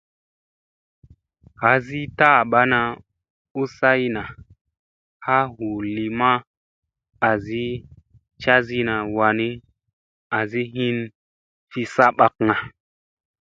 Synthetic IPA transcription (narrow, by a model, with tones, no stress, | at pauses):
ha˨˦zi˦ta˦˨ɓa˦na˨ | u˦sa˦jna˨ | ha˦ɦu˨li˨ma˦ | a˨zi˦ | t͡ʃa˦zi˦na˨wa˨ni˦ | a˨zi˦ɦi˦n | fi˦sa˦ɓa˨k̚ŋa˨